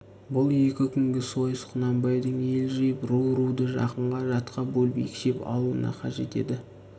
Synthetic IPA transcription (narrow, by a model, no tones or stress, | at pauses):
bʊlˠje̞kʲɪkʲʰʏŋɡʲɪso̞jəsqʰʊnɑmbɑjd̪əɴe̞lʒejəpɾuwɾuwd̪əʒɑ̰qəɴʁɑʒɑt̪qɑbolˠbijkʲʃe̞pɑ̰lˠuə̰nɑ̰qʰɑʒe̞t̪e̞̰d̪ɪ